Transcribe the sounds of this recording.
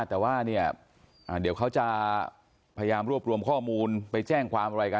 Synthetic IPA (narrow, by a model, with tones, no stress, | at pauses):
t̪ɛː˨˩waː˥˩ni˥˩ɐ | ʔaː˨˩di˩˦wkʰa˦˥wt͡ɕa˨˩ʔ | pʰa˧ja˧jaː˧mɾu˥˩p̚ɾu˧əmkʰɔː˥˩muː˧npa˧jt͡ɕɛː˥˩ŋkʰwaː˧mʔa˧ɾa˧jka˧